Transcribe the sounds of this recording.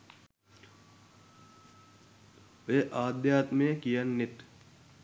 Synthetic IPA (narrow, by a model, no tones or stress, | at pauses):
ʋeːʔaːd̪jaːt̪mejəkijənːet̪